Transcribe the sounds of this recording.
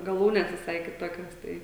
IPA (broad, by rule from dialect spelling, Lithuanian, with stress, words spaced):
ɡɐˈlˠuːnʲɛs ʋʲɪˈsɐɪ kʲɪˈtoːkʲoːs ˈtɐɪ